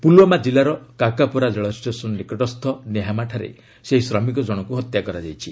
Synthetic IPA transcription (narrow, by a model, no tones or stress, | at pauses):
pulwɔmad͡ʒilaɾɔkakapɔɾad͡ʒɔɭɔsʈesɔnɔnikɔʈɔst̪ʰɔneɦamaʈʰaɾḛ | seɦisɾɔmikɔd͡ʒɔɽ̃ɔkuɦɔt̪jakɔɾad͡ʒajt͡ʃʰi